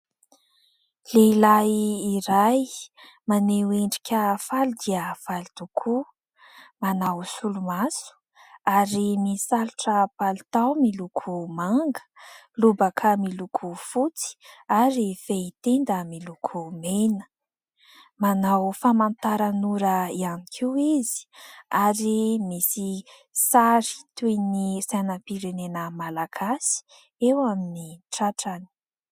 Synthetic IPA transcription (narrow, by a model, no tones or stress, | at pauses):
leilaːɾaj | maneweɳɖ͡ʐikʲəfalid̪iəfalit̪ukʰu | manawsulumasu̥ | aɾimisaluʈ͡ʂəpalit̪awmilukʰumaŋɡə̥ | lubakʰəmilukʰufut͡si̥aɾifeit̪end̪əmilukʰumenə̥ | manawfamant̪aɾanuɾəianikʰiwizi̥aɾimisi | saɾi̥t̪uenisanəpiɾenenəmalaɡ̥asi̥ | ewaminiʈ͡ʂaʈ͡ʂani̥